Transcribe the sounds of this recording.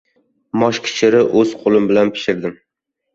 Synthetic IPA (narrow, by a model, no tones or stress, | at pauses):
mɒʃkʲʰɪ̥ʃʰɪɾɪʔɵz̥qʰolˠɪmbɪlanpʰɪ̥ʃɪɾd̪ɪm